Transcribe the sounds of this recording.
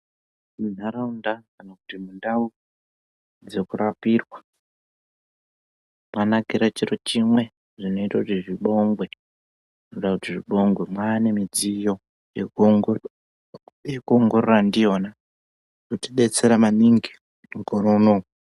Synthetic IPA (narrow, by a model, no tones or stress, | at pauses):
mun̤aɾaundakanakutimundau | d͡ze̞kurapiːrwa | mwanaɡiɾat͡ʃirot͡ʃimwe̞ | ʐino̞itakutiʐiɓo̞ŋɡwe̞ | noɗakutiʐiɓo̞ŋɡwe̞mwaːne̞mid͡zijo̞ | jekuoŋɡo̞rorandijo̞na | kutiɓe̞t͡se̞ɾamaniŋɡi | ŋɡoɾono